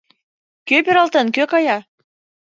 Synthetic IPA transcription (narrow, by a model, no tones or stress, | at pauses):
køpeɾɑlt̪ə̆nkøkɑjɑ